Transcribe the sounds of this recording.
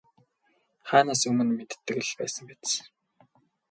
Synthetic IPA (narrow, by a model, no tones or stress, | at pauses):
χaːnaːsɵmɘ̆nmet̪t̪ːɘ̆kɘ̆ɮpæːsə̆ŋpæt͡s